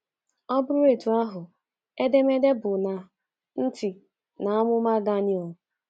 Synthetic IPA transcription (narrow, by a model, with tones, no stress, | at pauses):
ɔ˦bʊ˦ɾʊ˦e˨tu˨a˦ɦʊ˨ | e˦de˦me˦de˦bʊ˨na˨ | n̩˦tɪ˨ | na˨a˦mʊ˦ma˦ɡa˦ni˦ɔ˨